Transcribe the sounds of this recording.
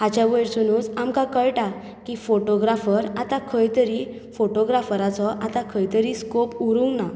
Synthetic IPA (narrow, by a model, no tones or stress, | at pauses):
ɦat͡ɕaʋəɾsunuːt͡samkãkəɭʈa | kifoʈoɡɾafəɾat̪akʰəjt̪əɾi | foʈoɡɾafɾat͡sɔʔat̪akʰəjt̪əɾiskopuɾuŋɡna